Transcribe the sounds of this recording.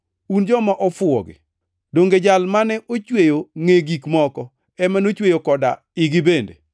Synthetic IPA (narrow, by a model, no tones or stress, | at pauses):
und͡ʒɔmaʔɔfʊɔ̰ɡɪ̰ | doŋɡed͡ʒalmanɛʔot͡ʃwejoŋeɡikmɔkɔ | ɛmanot͡ʃwejokɔda | ɪɡɪbendḛ